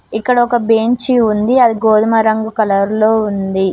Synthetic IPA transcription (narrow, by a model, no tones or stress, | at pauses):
ikːɐɽɐɔkɐbeːɲt͡ʃiund̪iɐd̪iɡoːd̪ɐmɐɾɐŋɡukɐlɐɾlo̞ːund̪i